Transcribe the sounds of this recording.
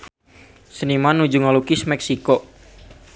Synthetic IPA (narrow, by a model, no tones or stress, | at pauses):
sənimanud͡ʒuŋalukɪsmɛksiko